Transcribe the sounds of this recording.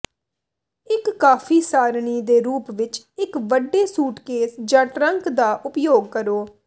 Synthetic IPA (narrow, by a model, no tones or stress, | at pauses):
ɪkːaːfʰiːsaːɾɳiːd̪eːɾuːpʋɪt͡ʃ | ɪkʋəɖːeːsuːʈkeːsd͡ʒãːʈɾəŋkd̪aːʔʊpjoːɡ̚kəɾoː